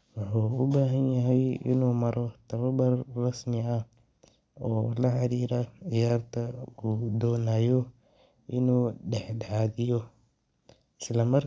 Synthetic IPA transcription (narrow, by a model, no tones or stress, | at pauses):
wɑħuːʊbaːɦɐnjɐɦɛjɪ̰nuːmɐɾɔt̪ʰɐβɐbɐrrɐsmɪɐh | ɔːlɐħɑɾiːɾɐʕɪjaːrt̪ʰɐʊd̪ɔːnaːjɔ | ʔɪnuːɖɛħɖʕaːðɪjɔ | ɪslɐmɐr